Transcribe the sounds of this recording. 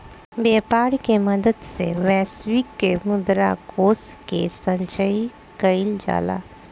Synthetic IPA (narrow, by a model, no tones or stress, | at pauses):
beːpaːɽkeməd̪əd̪seʋɛːsʋikːemʊd̪ɾa̰koːskḛsə̃ɲt͡ʃəi | kəild͡ʒa̰ːla̰ː